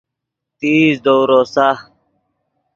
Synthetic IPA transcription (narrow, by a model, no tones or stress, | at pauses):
t̪iːzd̪owɾosa